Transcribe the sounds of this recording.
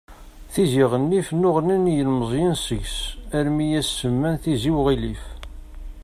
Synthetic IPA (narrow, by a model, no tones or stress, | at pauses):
θiziʁənːifnʊʁninjəlməzˤjinsəʝsæɾmijæsːəmːænθiziwʁilif